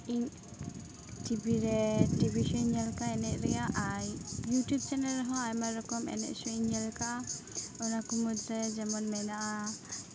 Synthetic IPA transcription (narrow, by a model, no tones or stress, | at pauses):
iɲ | tibiɾɛdibiʃɔnɲalkaɛnɛʔɾɛjaʔajjutjub̚t͡ʃanɛlɾɛɦɔ̃ajmaɾɔkɔmɛ̰nɛ̰ʔsɔiɲːalka | ɔnakumud̪ɾɛd͡ʒamɔnmɛnaʔa